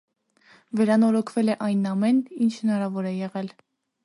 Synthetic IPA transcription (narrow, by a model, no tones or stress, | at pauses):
vɛɾɑnɔɾɔkʰvɛlɛʔɑjnɑmɛnint͡ʃʰhənɑɾɑvɔɾɛjɛʁɛl